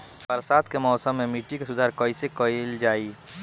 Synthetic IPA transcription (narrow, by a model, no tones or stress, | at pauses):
bɐɾsaːt̪kemɔːsəmːẽmiʈːikesʊd̪ʱaːɾkəisekəild͡ʒaːiː